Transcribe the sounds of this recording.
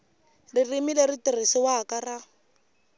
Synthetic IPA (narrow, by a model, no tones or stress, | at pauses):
ririmileritir̤isiwaakara